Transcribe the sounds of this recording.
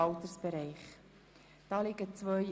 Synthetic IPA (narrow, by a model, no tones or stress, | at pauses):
ɑlt̪əɾsb̥ɛɾɛɪχ | d̥ɑːlɪɡət͡svœʏ